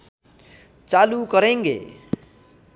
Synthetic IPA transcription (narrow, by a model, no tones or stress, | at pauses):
t͡salukʌɾeŋɡḛ